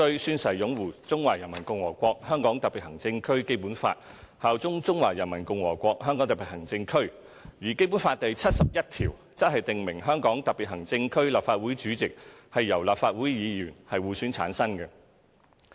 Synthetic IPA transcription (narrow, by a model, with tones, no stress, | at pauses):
t̪ɵ˧ɥsyː˧nsɐ˨˩jjʊ˨˥ŋwuː˨˩t͡sʊ˥ŋwaː˨˩jɐ˨˩nmɐ˨˩nkʊ˧ŋwɔː˨˩kʷɔː˧k̚hœː˥ŋkɔː˨˥ŋt̪ɐ˨k̚piː˨t̚hɐ˨˩ŋt͡sɪ˧ŋkʰɵ˥ɥke˥jpuː˨˥nfa̰ː˧t̚haː˨˧wt͡sʊ˥ŋt͡sʊ˥ŋwaː˨˩jɐ˨˩nmɐ˨˩nkʊ˧ŋwɔː˨˩kʷɔː˧k̚ɦœː˥ŋkɔː˨˥ŋt̪ɐ˨pi˨thɦɐ˨˩ŋt͡sɪ˧ŋkʰɵ˥ɥ | jiː˨˩ke˥jp̬u˨˥nfaː˧t̚t̪ɐ˨jt͡sʰɐ˥t̚sɐ˨p̚jɐ˥t̚t̪ʰiː˨˩w | t͡sɐ˥hɐ˨jt̪ɪ˨ŋmɪ˨˩ŋɦœː˥ŋkɔː˨˥ŋt̪ɐ˨k̚pi˨t̚hɐ˨˩ŋt͡sɪ˧ŋkʰɵ˥ɥlaː˨p̚faː˧t̚wuː˨˥jt͡ʃyː˨˥t͡sɪ˨k̚hɐ˨jːɐ˨˩wlaː˨p̚faː˧t̚wu˨˥jjiː˨˧jyː˨˩nhɐ˨jwuː˨syː˨˥nt͡sʰaː˨˥nsɐ˥nkɛ˧